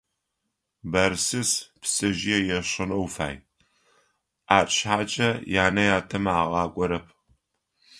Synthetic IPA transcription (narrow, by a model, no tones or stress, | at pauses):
bɐɾsɨspsɨʒɪjɛjɛɕɨnɐwfa̰ːj | ʔaːɕħaːt͡ʃʼɐjaːnɐjaːtʰɐmaːʁɑːkʷʼɔɾɐpʰ